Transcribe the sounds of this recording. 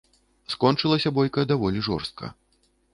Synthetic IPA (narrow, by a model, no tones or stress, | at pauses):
skɔnt͡ʂɨlˠɐsʲɐbɔjkɐd̪avɔlʲiʐɔ̰rst̪̚kʰɐ̰